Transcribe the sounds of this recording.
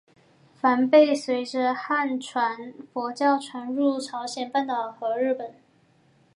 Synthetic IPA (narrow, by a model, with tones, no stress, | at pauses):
fa˧˥npe˥˩ɪswe˧˥ɪʈ͡ʂə˧xa˥˩nʈ͡ʂʰwa˧˥nfwɔ˧˥t͡ɕjɑ˥˩ʊʈ͡ʂʰwa˧˥nɻu˥˩ʈ͡ʂʰɑ˧˥ʊɕjɛ˨˩npa˥˩nt̪ɑ˨˩ʊxɤ˧˥ɻɻ̩˥˩pə˨˩˦n